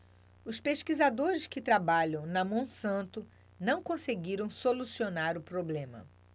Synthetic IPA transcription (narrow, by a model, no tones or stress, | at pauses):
ʊspeʃkizad̪oɾɪskɪt̪ɾabaʎɐ̃w̃nɐmõw̃sɐ̃nt̪ʊ | nɐ̃w̃kõseɡiɾɐ̃w̃solusionaɾʊpɾoblẽmɐ̰